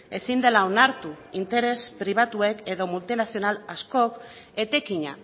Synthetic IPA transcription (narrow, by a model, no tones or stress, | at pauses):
e̞sind̪e̞lao̞naɾt̪u | int̪e̞ɾe̞spɾiβ̞at̪ue̞ke̞ðo̞mult̪inasio̞nalasko̞k | e̞t̪e̞kiɲa̰